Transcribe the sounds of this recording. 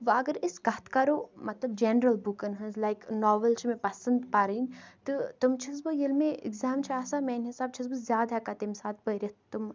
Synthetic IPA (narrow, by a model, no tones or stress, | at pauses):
ʋɐɡəɾɪsɡɐt̪ʰkaɾoːmɐt̪lɐbd͡ʒenɾɐlbukɐnɦɐnzlajknɔːʋəlt͡ʃʰmẽpɐsɐnd̪paɾəint̪ɨt̪ɨmt͡ʃʰɐs̬bɨjilmẽɪ̰ɡzaːmt͡ʃʰaːsamɛːnɦisaːb̚t͡ʃʰisbɨzjaːd̪ɐkɐt̪emsaːt̪̚ʰbəɾʲit̪t̪um